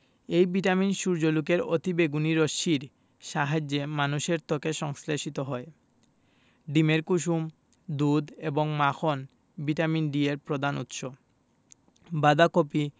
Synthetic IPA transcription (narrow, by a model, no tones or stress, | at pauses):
ejbiʈaminʃuɾd͡ʑolukeɾo̰t̪ibeɡuniɾoʃiɾ | ʃaɦad͡ʑːemanuʃeɾt̪okeʃɔŋsleʃit̪oɦɔe | ɖimeɾkuʃ̬um | d̪ud̪eboŋmaxʰon | biʈaminɖieɾpɾod̪anṵt̪ʃo | bad̪akopi